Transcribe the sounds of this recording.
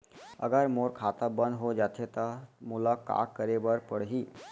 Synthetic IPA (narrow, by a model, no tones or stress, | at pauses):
ə̰ɡəɾmoːɾkʰaːt̪abə̃nd̪ɦod͡ʒaːt̪ʰet̪amʊlaka̰ːkːəɾebəɾpəɽɦiː